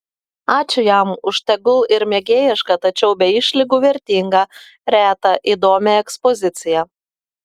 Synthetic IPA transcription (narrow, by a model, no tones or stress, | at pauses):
ɑːt͡ʃʲʊjæmʊʃt̪ʲɛɡʊlˠɪɾmʲɛɡʲeːjɪʃkɐt̪ɐt͡ʃʲɛʊbʲɛɪʃʲlʲɪɡuːʋʲɛɾʲt̪ʲiːŋɡɑ | ɾʲæːt̪ɐʔiːd̪oːmʲɛɛkspɔzʲɪt̪sʲɪjɛ